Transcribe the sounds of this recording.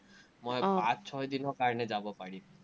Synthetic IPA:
mɔjpãt͡ʃt͡ʃʰɔjd̪inɔkaɾned͡ʒabɔpaɽi

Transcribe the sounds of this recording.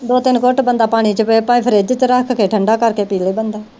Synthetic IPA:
d̪oːt̪ɪnkoʈbənd̪aːpaːɽ̃iːt͡ʃəpepaːĩːpʰəɾeːd͡ʒ̪ɪt͡ʃɾəkʰkeːʈʰəɳɖaːkəɾkeːpiːleːbənd̪aː

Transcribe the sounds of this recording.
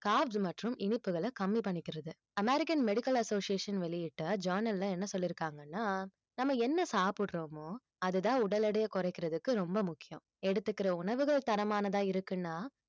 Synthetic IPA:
kaːbsmɐʈrɯmʔɪnɪpːɯɣɐɭɐkɐmːipɐɳːɪkːɪɾɐðɯ | ɐmɛɾɪkɐnmɛɽɪkɐlɐsoːsɪjeːʂɐnʋɛɭɪjɪʈːɐd͡ʒɐːɾnɐllɐ̃ɛnːɐsɔlːɪɾɯkːaːŋɡɐnːaː | nɐmːɐɛnːɐsaːpɪɽɾoːmoː | ɐðɯðãːʊɽɐlɐɽɐjɐkɔɾɐɛɪkːɪɾɐðɯkːɯɾɔmbɐmʊkːɪjɐ̰̃m | ɛɽɯt̪ːɯkːɪɾɐʊɳɐʋɯɣɐɭt̪ɐɾɐmaːnɐðãːɪɾɯkːɯnːaː

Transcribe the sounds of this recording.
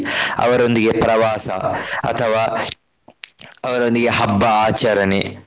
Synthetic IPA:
ɐ̰ʋɐɾond̪iɡepɾɐʋaːsɐ̰ɐ̰t̪ʰɐʋaː | ɐʋɐɾond̪iɡe̞ɦɐbːɐaːt͡ʃɐɾɐne

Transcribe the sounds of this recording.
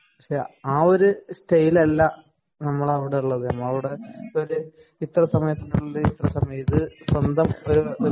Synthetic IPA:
ɐkʂeaːo̞ɾusʈɐjilɐlːɐ | nɐmːɐɭɐʋiɽeuɭːɐðɨa̰ːmːɐɐʋiɽeoɾu | it̪ːrɐsɐmɐjɐt̪ːinuɭːuit̪rɐsɐmɐjɐt̪ːɨswɐnd̪ʱɐmoɾuo

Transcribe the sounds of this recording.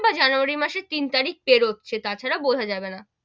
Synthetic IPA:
bad͡ʑanuaɾimaʃet̪int̪aɾik̚peɾot̪ːɕʰet̪at͡ɕʰaɾabod̪ʱad͡ʑabena

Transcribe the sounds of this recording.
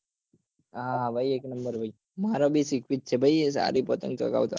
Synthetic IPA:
ɦããbʱajeːknəmbəɾbʱai | maɾobʱisikʋit̪̚t͡ʃʰebʱaies̬a̰ɾipət̪əŋɡt͡ʃə̰ka̰ʋt̪o̰

